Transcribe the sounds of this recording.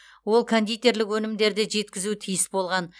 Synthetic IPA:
wo̞lˠkʰond̪ijt̪e̞ɾlɪkwɵnɪmd̪e̞ɾd̪eʒe̞t̪̚kʲɪzut̪ʰijɪsbo̞lˠʁɑn

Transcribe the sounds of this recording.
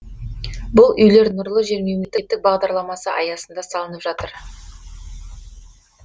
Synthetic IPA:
bʊlˠʏjle̞ɾnʊɾlˠəʒe̞ɾmewmet̪ːɪt̪ːɪk̚bɑʁd̪ɑɾlˠɑmɑsəʔɑjɑsənd̪ɑsɑlˠənəpʒɑt̪əɾ

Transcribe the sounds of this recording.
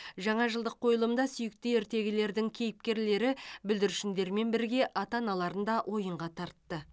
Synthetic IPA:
ʒɑɴɑʒəlˠd̪əqʰːo̞jəlˠəmd̪ɑsʏjɪk̚t̪ɪeɾt̪e̞ɡʲɪle̞ɾd̪ɪŋkʲʰe̞jɪp̚kʲe̞ɾle̞ɾɪbʏld̪ɪɾʃɪnd̪e̞ɾme̞nbɪɾɡʲe̞ʔɑt̪ɑnɑlˠɑɾənd̪ɑʔwʔo̞jəɴʁɑt̪ʰɑɾt̪ːə

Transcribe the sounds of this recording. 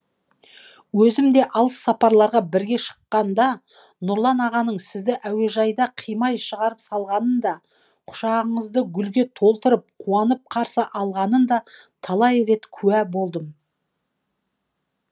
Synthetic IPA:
wɵzɪmd̪e̞ʔɑlˠəsːɑpɑɾlˠɑɾʁɑbɪɾɡʲe̞ʃə̥qːɑnd̪ɑ | nʊɾlˠɑnɑʁɑnəɴsɪzd̪ɪʔæwe̞ʒɑjd̪ɑqʰijmɑjʃəʁɑɾəpsɑlˠʁɑnənd̪ɑ | qʰʊ̥ʃɑʁəɴəzd̪əɡʲʏlɡʲe̞t̪ʰo̞lˠt̪əɾəp̚qʰuɑnəp̚qʰɑɾsəʔɑlˠʁɑnənd̪ɑt̪ʰɑlˠɑjɾe̞t̪kʲʰʉæbo̞lˠd̪əm

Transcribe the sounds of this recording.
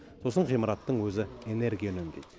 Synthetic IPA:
so̞səɴqʰijmɑɾɑt̪ːəɴwɵzɪene̞ɾɡʲijanʏnd̪ejd̪

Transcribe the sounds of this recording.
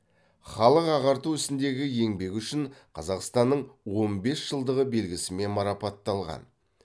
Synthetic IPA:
χɑlˠəqɑʁɑɾt̪uʏsɪnd̪e̞ɡʲɪje̞ŋbe̞kʲʏʃɪɴqʰɑzɑqst̪ɑnːəɴwo̞mbe̞sʒ̥əlˠd̪əʁəbe̞lɡʲɪsɪme̞nmɑɾɑpɑt̪ːɑlˠʁɑ̰n

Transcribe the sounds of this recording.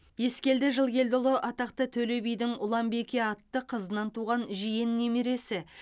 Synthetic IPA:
je̞skʲe̞ld̪ɪʒəlˠkʲe̞ld̪ʊlˠəʔɑt̪ɑq̚t̪ət̪ʰɵle̞bijd̪ɪŋʊlˠɑmbe̞kʲe̞ɑt̪ːəqʰəzənɑnt̪uʁɑnʒijɪnːe̞miɾe̞sɪ

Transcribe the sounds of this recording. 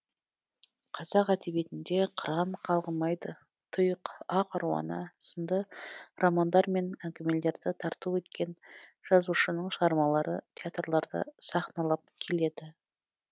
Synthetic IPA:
qʰɑzɑqæd̪ebe̞t̪ɪnd̪e̞qʰəɾɑɴqʰɑlˠʁəmɑjd̪ə | t̪ʰʊjəqɑqʰɑɾuwɑ̰nəsənd̪ərʔomand̪ɑɾme̞næŋkʲɪme̞le̞ɾd̪ɪt̪ʰɑɾt̪uwɵt̪kʲe̞nʒ̥ɑzuʃənəɴʃəʁɑɾmɑlˠɑɾət̪ʲʰeat̪rlˠɑɾd̪ə̰sɑχnɑlˠɑp̚kʲʰe̞le̞d̪ɪ

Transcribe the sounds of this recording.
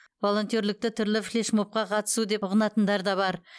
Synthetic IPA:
vo̞lˠo̞nt̪ijoɾlɪk̚t̪ɪt̪ʰʏɾlɪflʲeʃmop̚qɑqʰɑt̪ə̥sud̪e̞ʊʁənɑt̪ənd̪ɑɾd̪ɑβɑɾ

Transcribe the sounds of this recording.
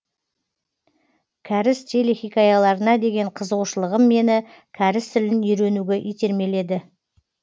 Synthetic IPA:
kʲʰæɾɪst̪ʲʰelexijkʲɑjɑlˠɑɾənɑd̪e̞ɡʲe̞ɴqʰəzəʁuʃəlˠəʁəmːe̞nɪ | kʲʰæɾɪst̪ʰɪlɪnʏjɾe̞nuɡʲeʔijt̪e̞ɾme̞le̞d̪ɪ

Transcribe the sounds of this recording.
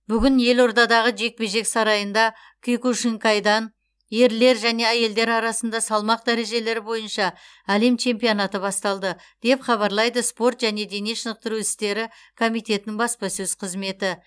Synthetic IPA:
bʏɡʲɪnje̞lo̞ɾd̪ɑd̪ɑʁəʒe̞k̚pe̞ʒe̞ksɑɾɑjənd̪ɑ | kʲʰijkuʃiŋkɑjd̪ɑn | je̞ɾle̞ɾʒæne̞æje̞ld̪e̞ɾɑɾɑsənd̪ɑsɑlˠmɑq̚d̪æɾe̞ʒe̞le̞ɾɪbo̞jənʃɑ | æle̞mt͡ʃʰe̞mpijo̞nɑt̪əbɑst̪ɑlˠd̪ə | d̪̥e̞pχɑβɑɾlˠɑjd̪əspo̞ɾt̪ʒæne̞d̪e̞neʃənəq̚t̪əɾuɪst̪e̞ɾɪ | kʰo̞mijt̪e̞t̪ɪnɪŋbɑspɑsɵz̥qʰəzme̞t̪ɪ

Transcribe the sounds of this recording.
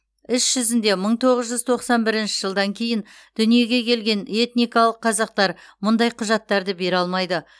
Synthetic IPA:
ɪsʒ̥ʏzɪnd̪e̞məɴt̪ʰo̞ʁəzʒʏzt̪ʰo̞qsɑnbɪɾɪnʃɪʒəlˠd̪ɑŋkʲʰe̞jɪn | d̪̥ʏnije̞ɡʲe̞kʲʰe̞lɡʲe̞ne̞t̪nijkɑlˠəqʰːɑzɑq̚t̪ɑɾmʊnd̪ɑjqʰʊʒɑt̪ːɑɾd̪əbe̞ɾɑlˠmɑjd̪ə

